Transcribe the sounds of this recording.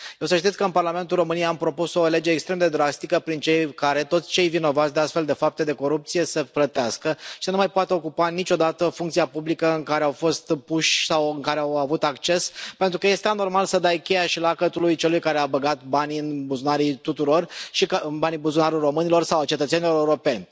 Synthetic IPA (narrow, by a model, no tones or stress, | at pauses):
je̞wsəʃt̪it̪ʲkəɨnparɾlame̞nt̪ulro̞mɨnijejampɾo̞puso̞le̞d͡ʒeːkst̪ɾe̞md̪e̞d̪ɾast̪ikəpɾint͡ʃejkaɾe̞t̪o̞t̪sʲt͡ʃe̞jvino̞vat̪sd̪east̪fe̞ld̪e̞fap̚t̪e̞d̪e̞ko̞ɾup̚t̪sije̞səplət̪easkəʃi̥sənumajpoat̪eo̞kupanit͡ʃʲo̞d̪at̪əfuŋkt̪sijapublikəɨŋkaɾe̞awfo̞st̪puʃʲsawɨŋkaɾe̞awavut̪akt͡ʃe̞spe̞nt̪ɾukəje̞st̪eano̞rmalsəd̪ajkʲe̞jaʃilakət̪ulujt͡ʃe̞lujkaɾeabəɡat̪baniɨnbuzunaɾit̪ut̪uɾo̞rʃiknbanibuzunaɾulro̞mɨnilo̞rsawat͡ʃe̞t̪ət̪senilo̞ɾeuɾo̞pe̞nʲ